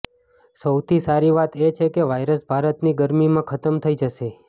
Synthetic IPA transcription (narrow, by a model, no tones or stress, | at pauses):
səwt̪ʰisaɾiʋat̪et͡ʃʰekeʋajɾəsbʱaɾət̪niɡəɾmimãkʰət̪əmt̪ʰəid͡ʒəʃe